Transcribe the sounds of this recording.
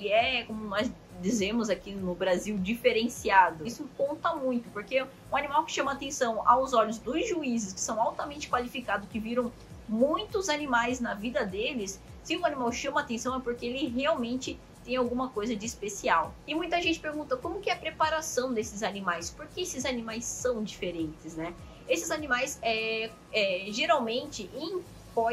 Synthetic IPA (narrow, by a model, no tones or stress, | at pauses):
elɪɛkõmʊnɔz | d͡ʒizẽmʊzakinʊbɾaziwd͡ʒifeɾẽsiad̪ʊisʊkõnt̪ɐmũj̃t̪ʊpoɾke | ʊ̃animawkɪ̥ʃɐ̃mɐaːt̪ẽsɐ̃w̃a̰wzɔʎjʊzd̪ʊzʒuizɪskɪ̥sɐ̃w̃awt̪ɐmẽnt͡ʃɪ̥kwalifikad̪ʊskɪviɾɐ̃w̃ | mũj̃t̪ʊzanimajznɐvid̪ɐd̪elɪsː | ɪʊ̃animawʃɐ̃mɐaːt̪ẽsɐ̃w̃ɛpoɾkeelɪɦeawmẽnt͡ʃɪ | t̪ẽj̃awɡũmɐkojzɐd͡ʒɪːspesiawɪmũj̃t̪ɐʒẽnt͡ʃɪ̥peɾɡũnt̪ɐkõmʊkɪɛɐpɾepaɾasɐ̃w̃d̪esɪzanimajspoɾkeesɪzanĩmajsːɐ̃w̃d͡ʒifeɾẽnt͡ʃɪznɛ | esɪzanimajsɛ | ɛʒeɾawmẽnt͡ʃɪʔẽj̃ | kɔ